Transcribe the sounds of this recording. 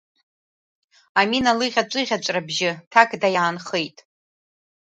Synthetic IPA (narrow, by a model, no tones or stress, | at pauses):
aminalɨʁʲat͡ʃʷʼɨʁʲat͡ʃʷʼrabʒɪtʰakʼdajaːnχejtʼ